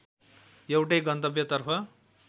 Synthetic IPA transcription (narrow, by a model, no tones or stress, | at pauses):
jewʈʌjɡʌnt̪ʌbjʌt̪ʌrpʰʌ